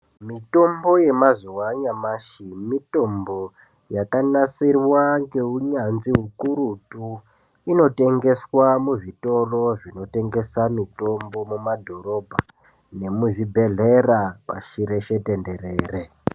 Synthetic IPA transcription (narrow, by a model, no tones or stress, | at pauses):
mito̞mbo̞je̞mazuwaɲamaʃimito̞mbo̞ | jakanasirwaŋɡe̞ɦuɲanziɦukuɾutu | ino̞te̞ŋɡe̞swamuʐito̞ro̞ʐino̞te̞ŋɡe̞samito̞mbo̞mumadʱo̞ɾo̞bʱa | ne̞muʐibʱe̞ɮerapa̰ʃiɾe̞ʃe̞te̞nde̞reːre